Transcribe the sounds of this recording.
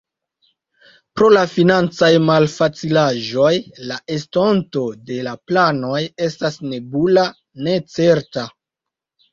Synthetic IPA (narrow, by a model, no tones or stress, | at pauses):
pɾo̞lafinant͡sajmalfat͡silaʒo̞jlaʔe̞sto̞nto̞de̞laplano̞je̞stasne̞bula | ne̞t͡se̞ɾta